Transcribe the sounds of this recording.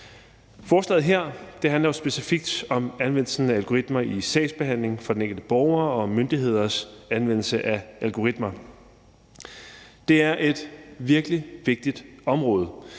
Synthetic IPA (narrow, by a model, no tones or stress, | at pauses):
fɒːslɛ̰ð̩ˠɦeɐ̰d̥e̝ɦænlɐjo̝sb̥e̝sifiɡ̥̚d̥ɒ̽mænʋen̰l̩sn̩æælɡ̥o̝ʁid̥mɐisɛ̰ɪsb̥e̝ɦæn̰le̝ŋfɒ̽den̩eŋɡ̥l̩d̥əb̥ɒʊɐːɒ̽mønd̥iɦe̝ð̞̰ˠɐsænʋen̰l̩səʔæʔælɡ̥o̝ʁid̥mɐ | d̥e̝æɐʔe̝d̥ʋiɐɡ̥liʋe̝ɡ̥̚d̥id̥ɒ̽mʁɔ̽ːð̞̩ˠ